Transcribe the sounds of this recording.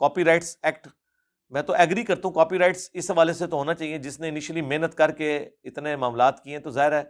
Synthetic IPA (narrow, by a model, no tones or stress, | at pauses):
kaːpiɾaːɪʈsɛːk̚ʈ | mɛ̃ːt̪oʔɛɡɾikɐɾt̪aɦũkaːpiɾaːɪʈsɪsɦɐʋaːleset̪oɦoːnat͡ʃaːɦied͡ʒɪsneɪniːʃəlimeːnət̪kɐɾkeɪt̪nẽmaːmlaːt̪kiɛ̃t̪ozaːɦɪɾɛː